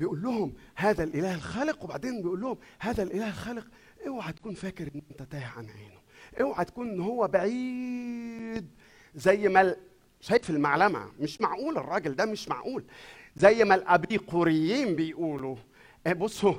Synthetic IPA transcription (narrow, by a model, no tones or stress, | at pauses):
bejʔuːlːʊhʊmhæːðælʔɪlæːhelxæːlɪqwebaʕd̪eːnbejʔuːlːʊhomhæːðælʔelæːhelxæːlɪq | ʔewħæt̪æ̥kuːnfæːkɪɾʔenːʔent̪æt̪æːhʕa̰nʔeːnʊʔewʕæt̪æ̥kuːnʔenːhowːæbaʕiː | d̪ | zæjːmæl | ʃæːjt̪filmaʕlæmæ̰meʃmaʕʔuːlerˤːɑːɡeld̪æmɪʃma̰ʕʔuːlzæjːmælʔæbiːquɾejːiːmbejʔuːlu | ʔbosˤːo